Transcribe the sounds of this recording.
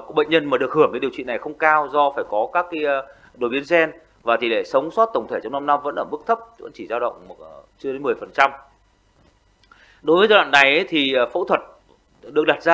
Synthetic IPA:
ɓə̰˧˨ŋ̟ɲə˧nmaː˨˩ɗɨ˨˩ək̚hɨ˧˩əŋkaː˨˦jɗəwt͡ɕwḭ˧˨na˨˩jxə˧wŋ͡mkaː˧wzɔ˧faː˧˩jkɔ˨˦kaː˦˥kːa˨˦˧ | ɗo˨˩jɓi˨˦ənsɛ˧n | vaː˨˩t̪ʰi˨˩le˧˩sə˨˦wŋ͡msɔ˦˥t̚t̪ə˨˩wŋ͡mt̪ʰe˧˩t͡ɕɔ˧wŋ͡mna˧mna˧mvə̰˧˥nʔəː˧˩mɨ˦˥k̚t̪ʰə˦˥p̚və̰˧˥nt͡ɕi˧˩zaː˧wɗə̰˧˨wŋ͡mt͡ɕɨ˧əɗe˨˦nmɨ˨˩əjfə˨˩nt͡ɕa˧m | ɗo˨˦jvə˨˦zaː˧wa̰˧˨nːa˨˩jʔə˨˦jt̪ʰi˨˩˨fo̰˧˥t̪ʰwə˨˩t̚ | ɗɨ˨˩ək̚ɗa˨˩t̚zaː˧

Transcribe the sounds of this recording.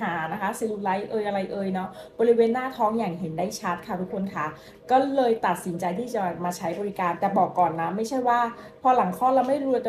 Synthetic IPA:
aː˩˦na˦˥kʰa˦˥si˧lu˧la˦˥jʔɤː˧jʔa˧ɾa˧jʔɤː˧jnɔ˦˥bɔː˧ɾi˦˥weː˧nːaː˥˩t̪ʰɔː˦˥ŋjaː˨˩ŋɦe˩˦ndaː˥˩jt͡ɕʰa˦˥t̪̚kʰa˥˩t̪ʰu˦˥kʰːo˧nkʰa˦˥˩ | kɔː˥˩lɤː˧jt̪a˨˩t̪̚si˩˦nt͡ɕa˧jt̪ʰiː˥˩t͡ɕa˨˩bɛː˨˩p̚maː˧t͡ɕʰa˦˥jbɔː˧li˦˥kaː˧nt̪ɛː˨˩bɔː˨˩kːɔː˨˩nːa˦˥ma˥˩jt͡ɕʰa˥˩jwaː˥˩ | pʰɔː˧la˩˦ŋkʰɔː˥˩la˧wma˥˩jɾu˧t̪ɛ˨

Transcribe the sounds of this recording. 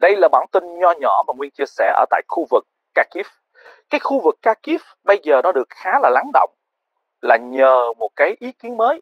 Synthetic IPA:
ɗə˧jlaː˨˩ɓaː˧˩nt̪i˧nɲɔ˧ɲɔ˧˩maː˨˩ŋwi˧nt͡ɕi˧əsɛ̰˧˩ʔə̰ː˧˩t̪a̰ː˧˨jxu˧vɨ˨˩k̚ːaː˧ki˦˥f | kaː˨˦jxu˧vɨ˨˩kːaː˧ki˦˥f | ɓə˧jzəː˨˩nɔ˨˦ɗɨ˨˩ək̚xaː˨˦laː˨˩la˨˦ŋɗo̰˧˨wŋ͡m | laː˨˩ɲəː˨˩mo˨˩t̚kaː˨˦jʔi˨˦ki˨˦ənməː˨˦j

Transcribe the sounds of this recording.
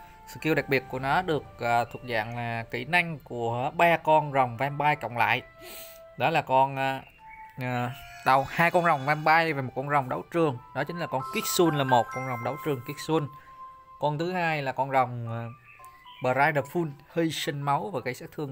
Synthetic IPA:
sɨ̰˧˨ki˧əwɗa˨˩k̚ɓi˨˩ət̚ku˧˩ənɔ˨˦ɗɨ˨˩ək̚ʔːt̪ʰu˨˩ək̚za̰ː˧˨ŋlaː˨˩kḭ˧˩˦na˧jŋ̟ku˧˩əɓaː˧kɔ˧nzə˨˩wŋ͡mvɛ˧mɓaː˧jkə̰˧˨wŋ͡mla̰ː˧˨jʔ | ɗɔ˨˦laː˨˩kɔ˧nː˧˨˩ | ɗa˨˩whaː˧jkɔ˧nzə˨˩wŋ͡mvɛ˧mɓaː˧jva˨˩mo˨˩t̚kɔ˧nzə˨˩wŋ͡mɗə˨˦wt͡ɕɨ˨˩əŋɗɔ˨˦t͡ɕï˨˦ŋ̟laː˨˩kɔ˧nki˦˥k̚su˧nlaː˨˩mo˨˩t̚kɔ˧nza˨˩wŋ͡mɗə˨˦wt͡ɕɨ˨˩əŋki˦˥k̚su˧ən | kɔ˧nt̪ʰɨ˨˦haː˧jlaː˨˩kɔ˧nzə˨˩wŋ͡m | ɓəː˨˩ɾaː˧jɗa˧˩fu˧nhi˧sï˧ŋ̟ma˨˦wvaː˨˩kaː˨˦jsaː˦˥k̚t̪ʰɨ˧əŋ

